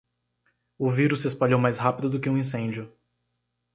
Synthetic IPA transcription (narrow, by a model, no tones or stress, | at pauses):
ʊviɾʊsːɪespaʎowmajshapid̪ʊd̪ʊkɪũĩsẽd͡ʒiʊ